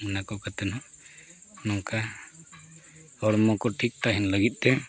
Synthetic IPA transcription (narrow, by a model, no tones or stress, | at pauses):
ɛnakɔkat̪ɛnɔʔ | nɔŋka | ɔɾmɔkɔʈʰik̚t̪aɦinləɡit̪̚ˀt̪ɛ